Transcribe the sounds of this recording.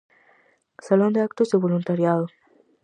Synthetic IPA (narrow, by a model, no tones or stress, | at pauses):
salond̪eakt̪ozðeβolunt̪aɾjaðo